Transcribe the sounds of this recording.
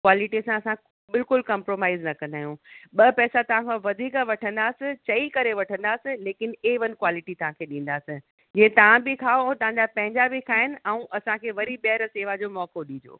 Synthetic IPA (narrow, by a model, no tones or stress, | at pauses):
kwaːlɪʈisãɐsã | bɪlkʊlkɐ̃mpɾoːmaːɪznɐkɐ̃nd̪aːɦjũɓɐpɛːsat̪ɐʋ̤ãkʰãʋɐd̪ʱiːkʋɐʈʰə̃nd̪aːsɪ̃t͡ɕɐikɐɾeʋɐʈʰə̃nd̪aːsɪ̃leːkɪneʋɐn̆kwaːlɪʈit̪ɐʋ̤ãkʰeːɗĩːn̆d̪aːsɪ̃ | d͡ʑĩẽt̪ɐʋ̤ãbɪkʰaːõt̪ɐʋ̤ãɲd͡ʑapɐ̃ɦɪ̃ɲd͡ʑabɪkʰaːɦɪnɪ̆ʔaũʔɐsãkʰeːʋɐɾiɓɐɦəɾseːʋad͡ʑoːmɔːkoɗĩːd͡ʑo̰ː